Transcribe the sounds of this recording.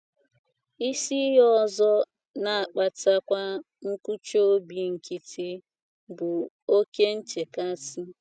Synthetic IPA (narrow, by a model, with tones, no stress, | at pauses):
i˦si˦ɦɔ˦zɔ˦ | na˨a˨k͡pa˨ta˦kʷa˦ | ŋ̩˦ku˦t͡ʃo˦o˦bi˨ŋ̩˨ki˦tʰi˦ | bʊ˨ | o˦ke˦n̩˦t͡ʃe˨ka˦si˦